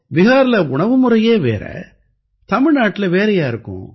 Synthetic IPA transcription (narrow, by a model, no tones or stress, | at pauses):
ʋɪɦaːɾlɐʊɳɐʋɯmɯɾɐjeːʋḛːɾɐ̰ | t̪ɐmɪɻnaːʈːɪlɐʋeːɾɐjaːɪɾɯkːʊ̰̃